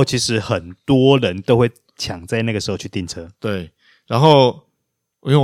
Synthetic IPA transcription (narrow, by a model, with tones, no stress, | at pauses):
ʊt͡ɕʰi˨˥ʂɻ̩˨˦xə˨˩nt̪wɔ˦ɻə˨˦nt̪o˥ʊxwe˥˩ɪ | t͡ɕʰjɑ˨˩ŋt͡sa˥˧ɪna˥˩ɡə˩ʂɻ̩˧˥xo˥˧ʊt͡ɕʰy˥˧t̪i˥˧˨nt͡sʰɤ˥˦t̪we˥˩ɪ | ɻa˨˦nxo˥˩ʊ˨ | jo˥˨